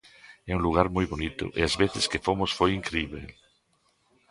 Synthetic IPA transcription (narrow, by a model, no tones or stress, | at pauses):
ɛuŋluɣ̞aɾmojβonit̪ʊ̰ʔeazβeθɪskefomosfojiŋkɾeiβḛ